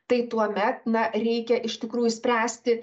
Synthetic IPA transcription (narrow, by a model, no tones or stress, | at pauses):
t̪ɐɪt̪uɔmʲɛt̪̚nɐɾʲɛɪkʲɛʔɪʃt̪ʲɪkɾuːjʊsʲpʲɾʲæːsʲt̪ʲɪ